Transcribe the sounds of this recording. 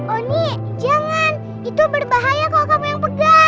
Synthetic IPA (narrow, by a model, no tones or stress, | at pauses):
ʔɔniʔ | d͡ʒaŋan | it̪ubərbaɦajakalokamujaŋpəɡa